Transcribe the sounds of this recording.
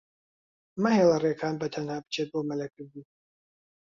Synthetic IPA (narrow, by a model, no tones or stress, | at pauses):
mɐhelˠɐrekʰaːnbɐt̪ʰɐnhaːbɨ̥t͡ʃʰet̪̚boːmɐlɐkʰɨɾd̪i